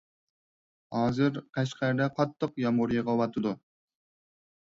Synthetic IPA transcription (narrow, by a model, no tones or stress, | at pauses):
hɑːzɨɾqʰæʃqʰæɾd̪ɛqʰɑt̪ʰːəqjɑmhuɾijɨʁɑwɑt̪ʰɨd̪u